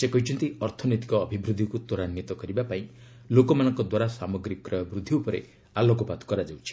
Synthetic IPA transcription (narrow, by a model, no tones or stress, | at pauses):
sekɔɦit͡ʃʰɔnt̪iɔɾt̪ʰɔnet̪i̥kɔːbʱibɾud̪ʱːikut̪oɾanjit̪ɔkɔɾibapaĩ | lokɔmanɔŋkɔd̪waɾasamɔɡɾikɔkːɾɔjɔbɾud̪ʱːiupɔɾḛ | alɔkɔpat̪kɔɾad͡ʒawt͡ʃʰi̥